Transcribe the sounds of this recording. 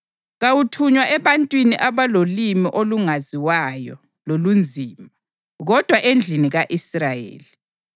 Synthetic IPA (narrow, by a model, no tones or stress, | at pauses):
ɣawutʰuɲwaʔɛβantʼwiniʔaβalolimiʔoluŋaziwajɔ̰ | lolund͡zʱiːma | ɣɔd̥ʱwaʔend͡ɮʱiniɣaʔisrajḛːli